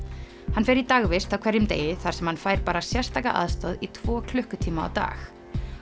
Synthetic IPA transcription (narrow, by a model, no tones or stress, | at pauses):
hanfɛɾit̪aɣvɪst̪awkʰvɛɾjʏmt̪ḛːjɪθaɾ̥sɛmhanfaːjɾ̥paːɾasjɛr̥st̪aːka̰ʔa̰ðst̪ɔðit̪ʰvɔːkʰlʏhkʏt̪ʰiːmaa̰wt̪a̰ːx